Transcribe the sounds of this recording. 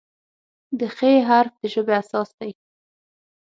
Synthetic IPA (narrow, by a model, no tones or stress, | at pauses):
d̪əxeɦaɾf̚d̪̥əʒəbeasɑsd̪aj